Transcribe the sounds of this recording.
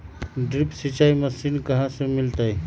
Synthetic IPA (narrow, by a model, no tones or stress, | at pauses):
ɖɾipsit͡ʃaːiməsinkəɦãsemɪlt̪aj